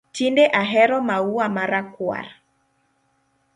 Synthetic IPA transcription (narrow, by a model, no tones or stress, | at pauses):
tindɛʔaɦɛɾɔmauwamaɾakwa̰ɾ